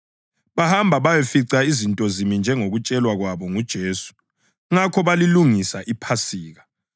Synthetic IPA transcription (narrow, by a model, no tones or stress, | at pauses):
βahambʱaβajefiǀaizintʼɔzimind͡ʒʱɛŋoɣut͡ʃʼɛlwaɣwaβɔŋud̥ʒ̥ʱeːsu̥ | ŋakʰɔβaliluŋisaʔipʰasiːɣa